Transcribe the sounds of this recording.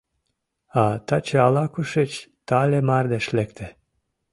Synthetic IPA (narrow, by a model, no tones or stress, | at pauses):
ɑt̪ɑt͡ɕeɑlɑkuʃet͡ɕt̪ɑlʲemɑrd̪eʃlekt̪ʰĕ